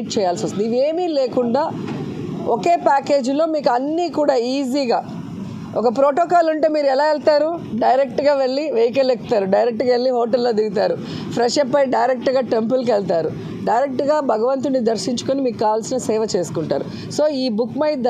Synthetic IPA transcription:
ʈ̚t͡ʃɛːjaːlsiʋɐst̪uniʋeːmiːle̞ːkuɳɖaː | oke̞ːpaːke̞ːd͡ʒlo̞ːmiːkuɐnːiːkuːɽaːiːziːɡaː | ɔkɐpɾoːʈoːkaːluɳʈe̞ːmiːɾuɛlaːɛɭt̪aːɾuɖɐjɾek̚ʈɡaːʋe̞ɭːiʋejk̬ɐlekt̪aːɾuɖɐjɾek̚ʈɡaːʋeɭːiɦoːʈɐlːoːd̪iɡit̪aːɾu | pʰɾɛʂɐpːɐjɖɐjɾek̚ʈɡaːʈe̞mpulk̬ɛɭt̪aːɾu | ɖɐjɾek̚ʈɡaːbʱɐɡɐʋɐnt̪̬unːid̪ɐɾʃiɲt͡ʃu̥konimiːkukːaːʋaːlsinɐseːʋɐt͡ʃe̞ːsu̥kuɳʈa̰ːɾu | so̞ːiːbukmɐjd̪

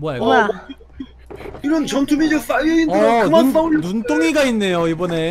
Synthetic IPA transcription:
moaa | iɾʌnt͡ɕʌntʰumid͡ʑʌs͈ajɯinɯɾaumanunt͈oŋiɡainːe̞joibʌne̞

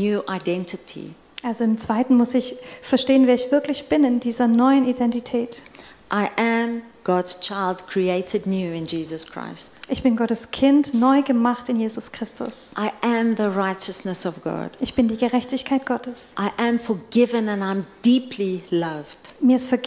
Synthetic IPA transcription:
njuʔaɪdɛ̃ntʰətʰḭ | ʔalzoɪmt͡sv̥aɪtn̩mʊsɪçfɛɐʃteːənveːɐɪçv̥ɪɐklɪçb̥ɪnɪndiːzɐnɔʏənidɛntitʰɛːt | ʔaɪʔæ̃m | ɡ̥ɔdz̥t͡ʃʰaɪlˠdkʰɹ̥ieɪtʰədⁿnjuːɪ̃nd͡ʒiːzəskʰɹ̥a̰ɪstʔɪçb̥ɪnɡɔtəskʰɪntnɔʏɡəmaχtɪnjeːzʊskʁ̥ɪstʊ̰sʔaɪə̃mðəɹaɪt͡ʃəsnəsɔvɡɔ̰d̥ʔɪçb̥ɪndiːɡəʁɛçtɪçkʰaɪt̚ɡ̥ɔtəsʔaɪʔə̃ɱfɔɡɪvə̃nə̃nãɪ̃mdipʰlilavd̥miːɐɪstfɛɐɡ

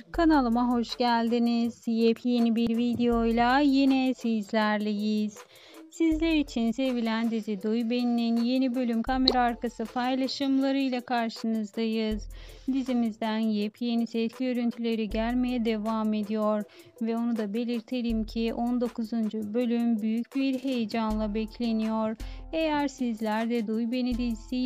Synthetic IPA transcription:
kʰanalˠɯmaɦo̞ʃɟælʲd̪iniz̥jɛpʰje̞nibiɾvid̪ejo̞jlˠajenɛsizlʲæɾlʲejiz̥ | sizlʲeɾit͡ʃʰinse̞vilʲænd̪izid̪ujbe̞nininje̞nibø̞lʲymkʰame̞ɾaːɾkasɯpʰajlˠaʃɯmlˠaɾɯjlʲˠakʰaɾʃɯnɯzd̪ajɯz̥d̪izimizd̪ænjɛpʰje̞nisɛt̪cijø̞ɾynt̪ʰylʲe̞ɾiɟælʲme̞jɛd̪e̞vaːme̞d̪ijoɾ | vɛo̞nud̪abe̞lʲiɾt̪ʰe̞ɾimcʰiʔond̪o̞kʰuzund͡ʒubø̞lʲymbyjycbiɾɦe̞jed͡ʒanlˠabɛcʰlʲe̞nijoɾe̞jæɾsizlʲæɾd̪ɛd̪ujbe̞nid̪isi

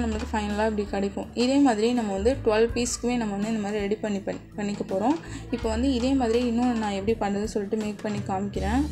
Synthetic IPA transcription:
nɐmːɐɭɯkːɯfɐɪnɐlaːɪpːɐɽɪkɐɽɪkːõʔɪðeːmaːðɪɾĩnɐmːɐʋɐnd̪ɯʈʊʋɐlpiːskːɯʋeːnɐmːɐʋɐnd̪ɯɪnd̪ɐmaːðɾiɛɽipɐɳːipɐpɐɳːɪkːɐpoːɾõːɪpːoːʋɐnd̪ɯɪðeːmaːðɪɾijɪnːʊ̃nãːɛpːɐɽipaːnʈɐðɯnsɔlːɪʈːɯmeːk̚pɐɳːikaːmɪkːɪɾẽː

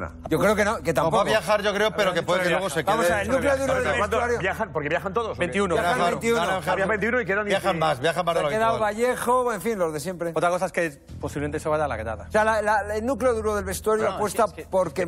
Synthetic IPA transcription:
okɾeokenoket̪ampaβjaxaɾʝo̞kɾeopeɾokepweððekelweosekeaðmosaelnnukleoðuɾoðeat̪uaɾjojaxanpoɾkeβjaxant̪oðosbent̪iunojaaaaent̪iunoambent̪iunoikeðanbjaxammasβjaxambaɾkeðaoβaʝe̞xoeɱfinlo̞zðe̞s̬je̞mpɾeot̪ɾakos̬aeske | po̞siβement̪ese̞βaʝala̰eɾa̰ða̰osealalaelnukleoðuɾoðelβe̞st̪uaɾjoapwe̞st̪apo̞ɾke

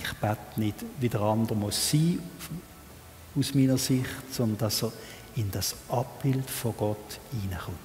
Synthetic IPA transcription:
ɪχb̥atnɪd̥vidəʁɑndəʁmɔsːiː | usmiːnəʁsɪχtsɔndnd̥ɑsəʁ | ɪnd̥ɑsʔɑpb̥ɪldfɔɡ̥ɔtiːnəχʊ

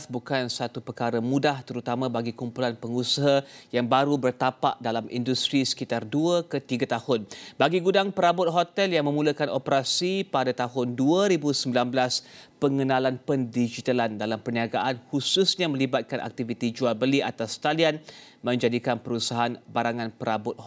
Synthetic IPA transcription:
sbukansat̪upərkaɾəmũdaht̪əɾut̪amãbaɡikumpulanpəŋusaɦajaŋbaɾubərt̪apa̰ʔdalamʔḭndust̪ɾisə̥kit̪arduəkət̪iɡat̪ahʊnbaɡiɡudaŋpəɾabʊt̪̚ɦot̪ɛljaŋmə̃muləkanʔopəɾasipadat̪aɦʊnduəɾibusəmbilanbəlaspəŋənãlanpəndid͡ʒit̪alandalampərniaɡaʔanhususɲãmə̃libat̪̚kanʔa̰k̚t̪ivit̪id͡ʒualbəliʔa̰t̪ast̪alian | mə̃ɲd͡ʒadikanpəɾusaɦanbaɾaŋãnpəɾabʊt̪̚h

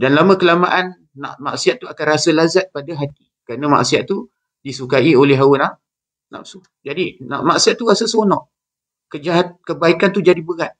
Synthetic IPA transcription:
danlamə̃kəlamaʔanː | a̰ʔma̰ʔsiat̪̚ːuakanrasəlazat̪̚padaɦat̪ikəɾanəma̰ʔsiat̪̚t̪ːu | disukaiolɛɦawəna | na̰psu | d͡ʒadina̰ʔmaʔsiat̪̚ːurasəsonɔʔ | kəd͡ʒaɦat̪̚kəbaikant̪ud͡ʒadibəɣat̪̚

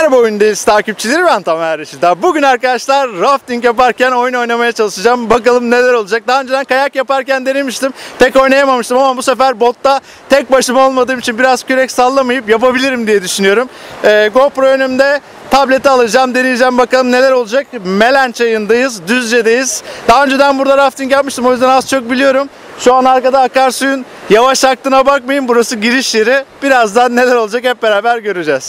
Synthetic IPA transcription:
hæɾbo̞jynd̪ajiz̥t̪ʰaːcip̚t͡ʃʰilʲiɾibænt̪ʰammhæɾeʃid̪abuɟynaɾkad̪aʃlˠaɾːaft̪iŋcjap̬aɾcæno̞juno̞jnamajat͡ʃʰalˠɯʃɯd͡ʒaːmbakalˠɯmne̞lʲæɾo̞lˠud͡ʒak̚d̪aɦaːønd͡ʒed̪ænkajakjapaɾcænd̪enimiʃt̪impʰɛko̞jnajamamɯʃt̪ɯmamabuse̞fæɾbo̞t̪ːa | t̪ʰɛc̚baʃɯmao̞lˠmad̪ɯːmit͡ʃʰinbiɾazcyɾɛcsalˠːamajɯpjapabilʲiɾimd̪ijɛd̪yʃynyjo̞ɾumːɡo̞pɾoønymd̪ɛ | t̪ʰablʲet̪ialˠɯd͡ʒaːmd̪e̞nijid͡ʒɛmbakalˠɯmne̞lʲæɾo̞lˠud͡ʒak̚me̞lʲænt͡ʃʰajɯnd̪ajɯzd̪yzd͡ʒed̪ejiz̥d̪̥aɦaø̞nd͡ʒed̪ænbuɾd̪aɾaft̪ʰinɟɛlʲmiʃt̪ɯmojyzd̪ænazt͡ʃʰo̞k̚bilʲijo̞ɾum | ʃuanaɾkad̪aːkaɾsujyn | javaʃak̚t̪ɯnabak̚majɯmbuɾasɯɟiɾiʃjeɾib̥iɾazd̪anːe̞lʲæɾo̞lˠd͡ʒakhɛp̚be̞ɾaːbæɾɟø̞ɾyd͡ʒɛz̥

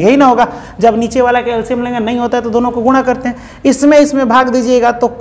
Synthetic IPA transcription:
eɦinɐɦoːɡaː | d͡ʒɐbniːt͡ʃeʋaːlakeɛlsɪmlẽːɡanɐɦĩɦoːt̪aɦɛt̪od̪oːnõkoɡʊɽ̃akɐɾt̪eɦɛ̃ | ɪsmẽɪsmẽbʱaːɡd̪iːd͡ʒieːɡat̪ok

